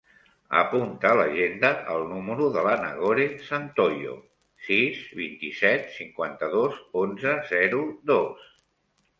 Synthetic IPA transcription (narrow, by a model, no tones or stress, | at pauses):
ə̰punt̪əːləʒend̪əʔəlˠnuməɾuðələnə̰ɣoɾesant̪ojo̰ | sizβint̪isɛt̪siŋkwant̪əðozonzəzɛɾuðos